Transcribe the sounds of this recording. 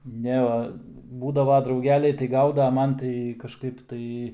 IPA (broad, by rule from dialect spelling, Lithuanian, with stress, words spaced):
ˈnʲɛ ʋɐ ˈbuːdɐʋɐ drɐʊˈɡʲæːlʲɛɪ tɐɪ ˈɡɐʊdɐ ɐ ˈmɐn tɐɪ kɐʃˈkɐɪp tɐɪ